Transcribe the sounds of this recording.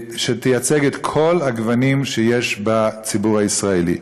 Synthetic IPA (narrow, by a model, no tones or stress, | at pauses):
ʃet̪ejat͡seɡet̪kʰo̞lhaɡvanimʃejeʃbat͡sibuʁaisʁaelḭ